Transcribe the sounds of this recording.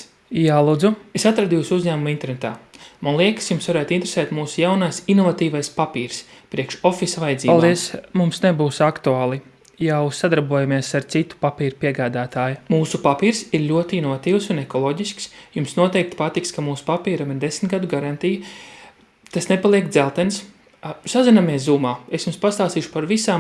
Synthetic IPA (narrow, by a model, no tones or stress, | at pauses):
jaːlˠuːd̪zuesat̪ɾad̪juːsuzʲɲæːmumint̪eɛɾnet̪a̰ːmanlˠiɛksjumsvaɾɛːt̪int̪ɾe̥sɛːt̪muːsujawnaːsinɔvat̪iːvajspapiːɾs | pɾiɛkʃɔfisvajd̪ziːpalˠd̪iɛsmumsnebuːsakt̪uaːlˠi | jawsad̪aɾbuɔjamiɛsaɾt̪sit̪u̥papiːɾupiɛɡaːd̪aːt̪aːjumuːsupapiːɾsiɾlʲuɔt̪inɔvat̪iːwsunɛkɔlˠɔːɟisksjumsnuɔt̪ɛjk̚t̪i̥pat̪ikskamuːsu̥papiːɾamiɾd̪esmʲt̪ɡad̪uɡaɾant̪ij | t̪asnepalˠiɛkd̪zɛlˠt̪ɛns | sazinameɛszuːmaːesjumspast̪aːst̪iːʃu̥paɾvisaːm